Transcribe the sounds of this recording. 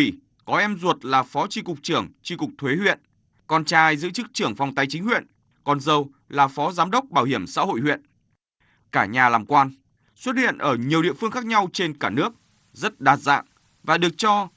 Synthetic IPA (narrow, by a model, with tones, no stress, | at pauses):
i˧˩ | kɔ˨˦ʔɛ˧mzu˨˩ət̚laː˨˩fɔ˨˦t͡ɕi˧kʊ˨˩k͡p̚t͡ɕɨ˧˩əŋt͡ɕi˧kʊ˨˩k͡p̚t̪ʰwe˨˦hwḭ˧˨ən | kɔ˧nt͡ɕaː˧jzɨ̰˧˥t͡ɕɨ˦˥k̚t͡ɕɨ˧˩əŋfa˨˩wŋ͡mt̪a˧jt͡ɕi˨˦ŋ̟hwḭ˧˨ən | kɔ˨˩nzə˨˩w | laː˨˩fɔ˨˦zaː˨˦mɗə˦˥wk͡p̚ɓaː˧˩whi˧˩əmsa̰ː˧˥ho̰˧˨jhwḭ˧˨ən | kaː˧˩ɲaː˨˩laː˨˩mkwaː˧n | swə˦˥t̚hḭ˧˨ənʔəː˧˩ɲi˨˩əwɗḭ˧˨əfɨ˧əŋxaː˦˥k̚ɲa˧wt͡ɕe˧nkaː˧˩nɨ˦˥ək̚ | zə˦˥t̚ɗaː˨˩t̚za̰ː˧˨ŋ | vaː˨˩ɗɨ˨˩ək̚t͡ɕɔ˧